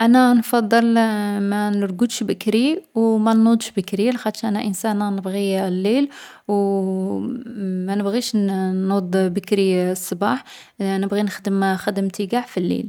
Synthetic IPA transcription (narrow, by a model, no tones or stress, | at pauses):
ʔænænfɑd̪ˤːəlmænəɾɡud̪ʃbəkɾiwmænːud̪ˤʃbəkɾilxæt̪ʃæʔænæʔənsænænəbɣilːil | w | mænəbɣiʃud̪ˤbəkɾisˤːɑbɑħ | nəbɣinəxd̪əmxəd̪əmt̪iɡaʕfilːḭl